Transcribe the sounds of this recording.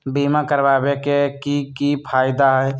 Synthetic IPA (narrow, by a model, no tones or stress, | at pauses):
biːmakəɾbaːbekekikipʰaːɪd̪aɦɛj